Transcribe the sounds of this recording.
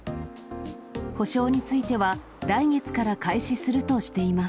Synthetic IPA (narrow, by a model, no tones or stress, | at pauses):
ho̞ɕo̞ːɲ̟it͡sɨit̪e̞βa | ɾaiɡe̞t͡sɨ̥kaɾakaiɕisɨɾɯ̟t̪o̞ɕi̥t̪e̞imas